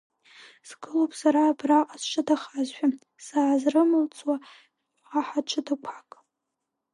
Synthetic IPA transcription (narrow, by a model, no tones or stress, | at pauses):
z̥ɡɨlopʼsaɾaːbraqʼazt͡ʃʷʰɨdaχazʃʷᶣa | saːzrɨmɨlt͡sʰʼwa | aħat͡ʃʷʰɨdakʷʰakʼ